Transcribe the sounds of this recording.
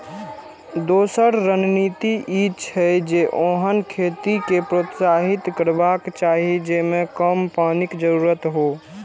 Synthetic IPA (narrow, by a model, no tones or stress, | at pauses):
d̪oːsəɾɾənniːt̪iʔiːt͡ʃʰɦɛd͡ʒeʔoɦənkʰeːt̪ikepɾot̪saːɦɪt̪kəɾbaːkt͡ʃaːɦid͡ʒeːmẽkəmpaːnɪkd͡ʒəɾuːɾət̪ɦoː